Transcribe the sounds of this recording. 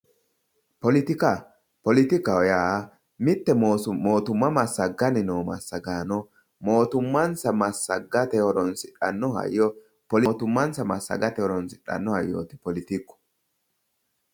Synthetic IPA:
pɔlɪt̪ɪkɐ | pɔlɪt̪ɪkɐwɔjaː | mɪt̪ːɛoːt̪ʊmːɐmɐsːɐɡɐnɪnoːmɐ̰sːɐɡaːnɔ | mo̞ːt̪ʊmːɐnsɐmɐsːɐɡɐt̪ɛhɔɾɔnsɪᶑɐnːɔhɐ̰jːɔ | pɔlɔt̪ʊmːɐnsɐmɐsːɐ̰ɡɐt̪ɛhɔɾɔnsɪᶑɐ̰nːɔhɐjːo̰ːt̪ɪ̥pɔlɪt̪ɪkːɔ̥

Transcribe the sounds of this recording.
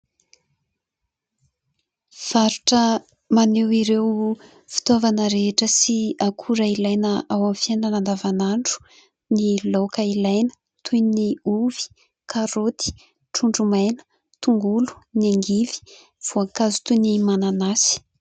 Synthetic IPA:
v̥aɾuʈ͡ʂə | manewiɾew | fi̥t̪ovanəɾeeʈ͡ʂəsiakʰuɾailajnəawamfiananand̪avanaɳɖ͡ʐu̥ | nilokailajnə̥ | t̪ʰujniuv̥i̥ | kʰaɾot̪i̥ | ʈ͡ʂuɳɖ͡ʐumajnə̥ | t̪uŋɡulu̥neŋɡivi̥ | v̥oakazu̥t̪unimananasi̥

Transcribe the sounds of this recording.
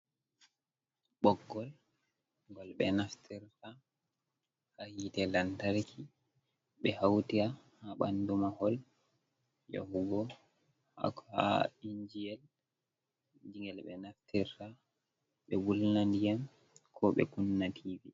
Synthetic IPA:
ɓɔɡːɔl | ŋɡɔlɓɛ̰naftʰiɾta | hahitɛlantaɾkʰi | ɓɛhawtia | haɓandumahɔl | jo̰huɡɔ | a̰kʰːɔha̰iɲd͡ʒijɛl | d͡ʒiŋɛlɓɛnaftiɾta | ɓɛwulnandijam | kʰɔɓɛ̰kunːakʰivi

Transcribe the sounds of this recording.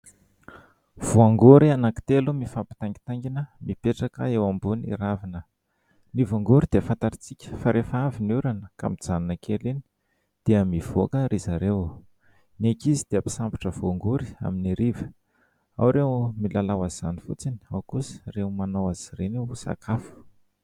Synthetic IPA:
v̥oaŋɡuɾianaki̥t̪elumifapi̥t̪aŋɡi̥t̪aŋɡinəmipeʈ͡ʂakəewambunḭɾavinə | nivaŋɡuɾid̪̥eəfant̪aɾit͡sikʲə̥faɾʔefəavinuɾanəka̰mid͡zaninəkʰeleni̥ | d̪̥eəmiv̥okəɾizaɾew | nekizid̪̥eapi̥sampi̥ʈ͡ʂəvoaŋɡuɾia̰miniɾivə̥ | a̰wɾewmilalawaz̥anifṵt͡sini̥awkusrewmanowaz̥irenisa̰kʰafu̥

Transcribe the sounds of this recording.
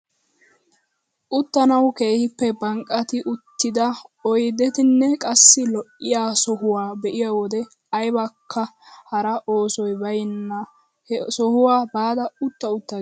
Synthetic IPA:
ʔʊt̪ːɐnɐwke̞ːhɪpːɛbɐŋkʼːɐt̪ɪʔʊt̪ːɪd̪ɐɔjd̪ɛt̪ɪnːɛkʼɐsːɪlɔʔːɪjaːsɔhʊwaːbɛʔɪjawɔd̪ɛ | ɐjbɐkʰːɐ | hɐɾɐʔo̞ːsɔjbɐjɪnːɐ | hsɔhʊwaːbaːd̪ɐʊt̪ːɐʊt̪ːɐ

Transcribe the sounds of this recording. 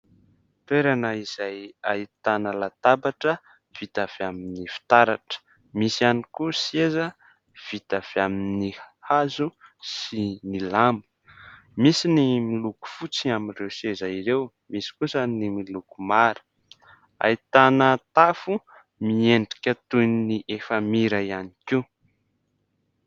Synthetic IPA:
t̪eɾanəiz̥ajait̪anəlat̪abaʈ͡ʂə | v̥it̪av̥eaminifi̥t̪aɾaʈ͡ʂə̥ | misianikusiezə | v̥it̪av̥eaminihazusinilambu̥ | misinimiluku̥fut͡siamirewsezaiɾew | misi̥kusənimilukumaɾə̥ | a̰jt̪anət̪afu | mieɳɖ͡ʐikʲət̪ujniniʔefəmiɾajaniki

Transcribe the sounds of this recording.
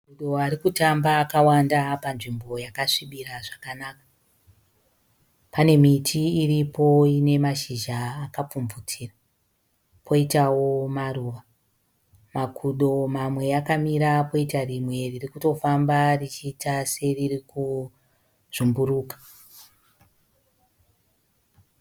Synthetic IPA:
kuɗo̞aɾikutambaːkawandapanʐimbo̞jakaʂiɓiɾaʐakanaka | pane̞mitʰiːripo̞ine̞maʃiʒaːkap͡fumvutiːra | pʰo̞itawo̞maruːʋa | makʰuɗo̞mamwe̞akamiɾapo̞itarimwe̞ririkuto̞fambarit͡ʃiːtase̞ririku | ʐ̥umbuɾuːkḁ

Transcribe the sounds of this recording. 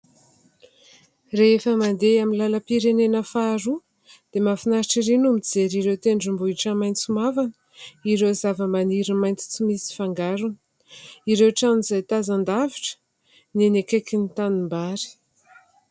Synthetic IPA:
reefəmand̪eamilaləpiɾenenəfaːɾu | d̪̥emafinaɾiʈ͡ʂiɾinumid͡zeɾiɾewt̪eɳɖ͡ʐimbuiʈ͡ʂəmajnt͡simavanə̥ | iɾewzavəmaniɾimajnt͡si̥t͡simisi̥faŋɡaɾunə̥ | iɾewʈ͡ʂanizajt̪azand̪aviʈ͡ʂə̥ | nenekekinit̪animbaɾi̥

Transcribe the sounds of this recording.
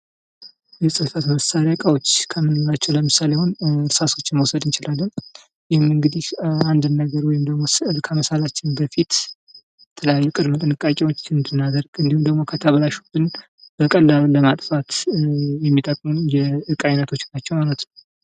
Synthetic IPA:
jɛsʼəfat̪məsaɾjakʼawo̞t͡ʃːkʰəmɨnɨjlat͡ʃːɛwləmɨsalehonɾsaso̞t͡ʃːməwsəd̪ɨnt͡ʃɪlalːən | jɪhɪmɨŋɡɨd̪ihand̪ɨnːəɡəɾwɔjɪmd̪əɡmo̞skʰəməsalat͡ʃːɪnbəfit̪ | jɛt̪ʰələjajːkʼɨd̪mət̪ʼɨnɨkʼakʼiwot͡ʃːɨnd̪ɨnːad̪əɾɡɨnd̪ihumd̪əɡmo̞kʰət̪ʰəβəlaʃubɨn | b̥əkʼəlːalləmat̪ʼfat̪jɛmːit̪ʼəkʼmunjɛɨkʼajnət̪ʰo̞t͡ʃːnat͡ʃːɛwmalət̪nəw

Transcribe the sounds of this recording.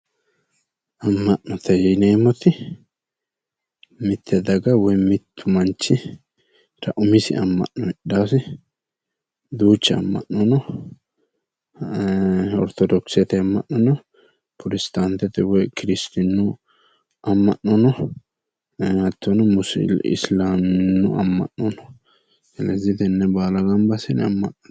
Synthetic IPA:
ɐmːɐʔːɔt̪ɛjɛneːmːɔt̪ɪ | mɪt̪ʰːɛd̪ɐɡɐwɔjmɪt̪ʰːʊmɐnt͡ʃːɪ | t̪ʰɐ̰ʔʊmɪsɪ̰ʔɐmːɐ̰ʔːɔɪɗaːsɪ | d̪uːt͡ʃːɛɐ̰mːɐ̰ʔːɔnɔ | ɔ̰ɾt̪ɔd̪ɔksɛt̪ɛɐmːɐ̰nːɔnɔ | pʰʊɾɪst̪ant̪ɛt̪ɛwɔjkɪɾɪst̪ɪnːʊ | ɐmːɐnːɔnɔ | ɐt̪ːɔnɔmʊsɪ̰slaːmɪnːʊɐ̰mːɐ̰nːɔnɔ̥ | ɡɛlɛzɪt̪ɛnːɛbaːlɐɡɐmbɐsɪnɐmːɐnːɔ̥n

